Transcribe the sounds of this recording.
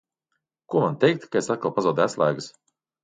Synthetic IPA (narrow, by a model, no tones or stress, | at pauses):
kuɔmant̪ʲɛjk̚t̪kaesat̪kalˠpazawd̪æslˠaːɡɨs